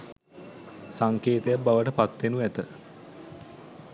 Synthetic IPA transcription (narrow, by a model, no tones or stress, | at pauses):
saŋkeːt̪ejabaʋəʈəpat̪ʋenuæt̪ə